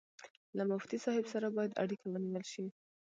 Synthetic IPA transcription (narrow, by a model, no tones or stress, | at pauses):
lamʊft̪isɑhɪbsaɾabɑjad̪a̰ɽikʰawəniwəlʃi